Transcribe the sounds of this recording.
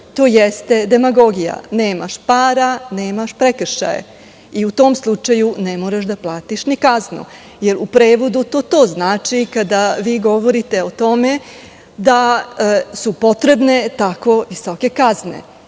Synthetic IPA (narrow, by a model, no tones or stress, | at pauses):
t̪oːjest̪e̞d̪e̞maɡo̞ɡija̰ne̞ːma̰ʃpaːɾane̞ːmaʃpɾekr̩ʃa̰jḛ | iut̪o̞ːmslˠut͡ʃajunemoɾaʃd̪aplˠaːt̪iʃnikaznṵ | je̞ɾupɾeːʋo̞d̪ut̪o̞ːt̪o̞ːznaːt͡ʃikad̪aʋiːɡo̞ʋo̞ɾit̪e̞ot̪o̞me̞ | d̪a | supo̞t̪ɾe̞bne̞t̪ako̞ʋisoke̞kaznḛ